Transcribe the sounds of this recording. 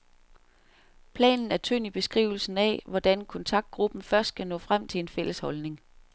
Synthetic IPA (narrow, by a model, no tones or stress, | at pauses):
pʰlɛ̰ːnn̩æɐt͡sʰøn̰ib̥e̝sɡ̥ʁḭʊl̩sn̩ɛ̰ʋɒd̥ænkʰɔ̽nt͡sʰɑ̈ɡ̥̚d̥̚ɡ̥ʁub̥n̩fɶɐsd̥̚ɡ̥ʰænɔ̰̽ːfʁam̰t͡sʰe̝enfel̰əshɒ̽lne̝ŋ